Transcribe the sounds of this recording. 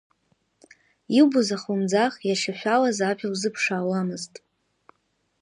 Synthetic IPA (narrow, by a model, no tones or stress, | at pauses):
iwbuzaχumd͡zaχjaʂaħʷᶣalazapʰiwzɨpʰʂaːwamɨztʼ